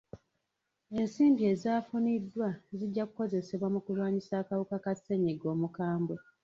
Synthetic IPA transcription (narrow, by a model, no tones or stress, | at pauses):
e̞nsiːmbie̞zaːfunidːwaziɟːakuko̞ze̞se̞βwamukulwaːɲisaːkaβukakase̞ɲeɡo̞ːmukaːmbwe